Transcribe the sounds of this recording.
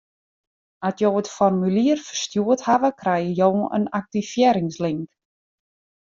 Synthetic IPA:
atjowətfɔrmyliərfərstjuəthaʋəkrɛjəjowə̰nak̚tifjeːɾɪŋslɪŋk

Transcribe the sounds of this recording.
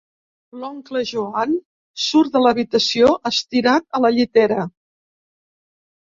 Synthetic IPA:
lɔŋkləʒuan | suɾðələβit̪əsioʔəst̪iɾat̪̚ələʎit̪ɛɾə

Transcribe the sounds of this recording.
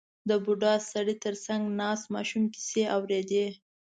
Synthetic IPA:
d̪əbuɖɑsaɽit̪əɾsaŋɡnɑsmɑ̰ʃumki̥seawɾed̪e

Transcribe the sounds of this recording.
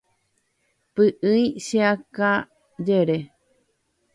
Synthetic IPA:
pɨʔɨĩʃeaka | d͡ʒeɾe

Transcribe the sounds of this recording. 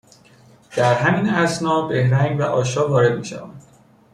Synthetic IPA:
d̪̥æɾɦæminæsnɒːbe̞hɾæŋɡvæʔɒːʃɒːvɒːɾe̞d̪miːʃæ̰væːnd̪

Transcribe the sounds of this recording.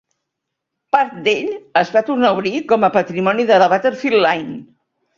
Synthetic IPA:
paɾt̪̚d̪eʎəzβat̪uɾnauβɾikɔməpət̪ɾimɔniðələβ̞at̪əɾfilːajn

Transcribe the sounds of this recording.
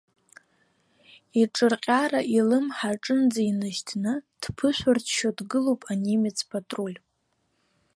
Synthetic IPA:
iʈ͡ʂʼɨrqʲʼaɾaʔilɨmħaʈ͡ʂʼɨnd͡zainɨʃtʰnɨd̥pʰɨʃʷᶣartʰʃodɡɨlopʼanimet͡sʰpʰʼatʼrolʲ

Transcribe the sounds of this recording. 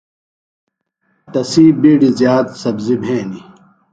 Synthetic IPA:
t̪ɐsiːbiːɽizjaːt̪sɐbzibʱẽːni

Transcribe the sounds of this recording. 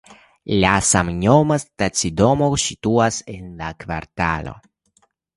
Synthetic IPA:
lasamɲomast̪at͡sid̪omosit̪uasenlakva̰ɾt̪a̰lo̰

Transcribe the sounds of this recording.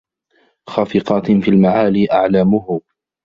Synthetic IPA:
xɑːfɪqɑːt̪fiːlmaʕaːliːʔaʕlamʊhʊ

